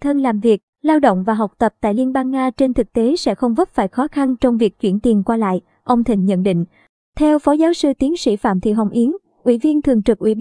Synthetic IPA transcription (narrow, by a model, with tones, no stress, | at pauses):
t̪ʰə˧nlaː˨˩mvi˨˩ək̚laː˧wɗo̰˧˨wŋ͡mvaː˨˩ɦa˨˩wk͡p̚t̪ə˨˩p̚t̪a̰ː˧˨jli˧ənɓaː˧ŋːaː˧t͡ɕe˧nt̪ʰɨ˨˩k̚t̪e˨˦sɛ̰˧˥xə˧wŋ͡mvə˦˥p̚faː˧˩˨jxɔ˨˦xa˧nt͡ɕɔ˧wŋ͡mvi˨˩ək̚t͡ɕwi˧˩ənt̪i˨˩ənkwaː˧la̰ː˧˨j | ʔə˧wŋ͡mt̪ʰï˨˩ŋ̟ɲə̰˧˨nɗḭ˧˨ŋ̟ | t̪ʰɛ˧wfɔ˨˦zaː˨˦wsɨ˧t̪i˨˦nsḭ˧˩fa̰ː˧˨mt̪ʰḭ˧˨˩ɦə˨˩wŋ͡mʔi˨˦ən | ʔwḭ˧˩vi˧ənt̪ʰɨ˨˩əŋt͡ɕɨ˨˩k̚ʔwi˧˩